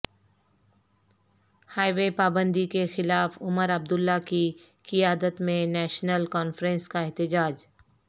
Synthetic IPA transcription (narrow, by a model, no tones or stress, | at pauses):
haːɪwepaːbə̃nd̪ikexɪlaːfʊməɾɐb̚d̪ʊlːaki | kɪjaːd̪ət̪mẽnɛːʃnəlkɔːnfɾə̃nskaɛɦt̪ɪd͡ʒaːd͡ʒ